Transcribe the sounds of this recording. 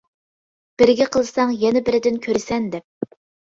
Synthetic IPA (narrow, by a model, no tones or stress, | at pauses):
b̥ɪɾɪɡʲɛqʰəlˠɨsɑŋjɛnɛbɪɾɪd̪ɪnkʲʰøɾɪsɛnd̪ɛp̚